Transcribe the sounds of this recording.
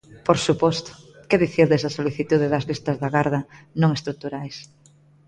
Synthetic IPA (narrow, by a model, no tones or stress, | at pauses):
poɾsupɔst̪ʊ̥ | kɛðiθiɾðesɐsoliθit̪uðeðɐzlist̪ɐzðɐɣaɾðɐnõŋest̪ɾut̪uɾajs